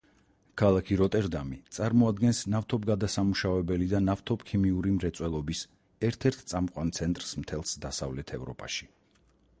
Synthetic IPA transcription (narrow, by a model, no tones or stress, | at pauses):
kʰalˠakʰiɾɔt̪ʼɛɾd̪amit̪sʼaɾmɔad̪ɡɛnsnaft̪ʰɔbɡad̪asamuʃavɛbɛlid̪anaft̪ʰɔpkʰimiuɾimɾɛt̪sʼwɛlˠɔbis | ɛɾt̪ʰɛɾt̪ʰt̪sʼamqʼwant̪sʰɛnt̪ʼɾsmt̪ʰɛlˠsd̪asa̰vlɛt̪ʰɛvɾɔ̰pʼa̰ʃi̥